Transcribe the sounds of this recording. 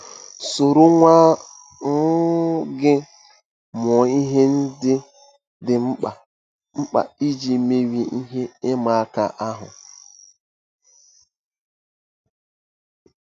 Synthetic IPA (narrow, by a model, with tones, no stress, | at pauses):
so˨ɾo˦ŋʷa˦ | ŋ̩˦ɡɪ˦ | mɔ˨i˦ɦe˦n̩˦dɪ˦ | dɪ˨m̩˦a˨ | m̩˦k͡pa̰˨i˦d͡ʒi˨me˦wi˨i˦ɦe˦ɪ˦ma˨˦ka̰˨ʔa˦ɦʊ̰˨